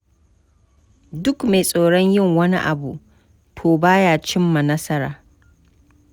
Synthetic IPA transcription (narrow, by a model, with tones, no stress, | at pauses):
dʊ˦kme˨sʼoː˨ɽɔ˦ɲjɪ˦˨ŋwɐ˦nḭ˦ʔa˨bu˨ | tʰoː˨baː˦jaː˨t͡ʃɪ˦mːa˨nɐ˦sɐ˦ɾaː˨